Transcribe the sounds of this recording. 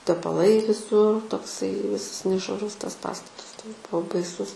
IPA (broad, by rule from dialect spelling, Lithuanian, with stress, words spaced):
tʲɛpɐˈlˠɐɪ ʋʲɪˈsʊr toːkˈsɐɪ ˈʋʲɪsɐs nʲɛʃʋɐˈrʊs ˈtɐs ˈpɑːstɐtɐs ˈtoːks ˈbʊʋoː bɐɪˈsʊs